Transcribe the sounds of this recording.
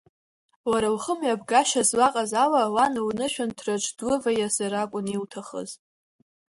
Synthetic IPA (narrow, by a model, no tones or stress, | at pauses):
waɾawχəmjabɡaʃazwaqʼazalawanwnɨʃᶣantʰrat͡ʃʷʰdʊvajasaɾakʷʼʊniwtʰaχə̰z